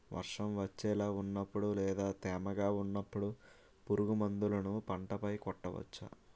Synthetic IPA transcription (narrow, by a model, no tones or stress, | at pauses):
ʋʔɐ̰ɾʂɐmʋɐt͡ʃːɛːlaːunːɐpːuɽulɛːd̪aːt̪ɛːmɐɡaːunːɐpːuɽu | puɾuɡumɐnd̪ulɐnupɐɳʈɐpɐjkɔʈːɐʋɐ̰t͡ʃːa̰